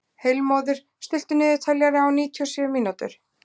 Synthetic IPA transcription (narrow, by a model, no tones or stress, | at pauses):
hejlmoːwðɪɾ̥ | st̪ʏl̥t̪ʏnɪːðɪt̪ʰaljaɾɪawniːt̪ʰiɔsɛːvmiːnat̪ʏ̰ɾ̥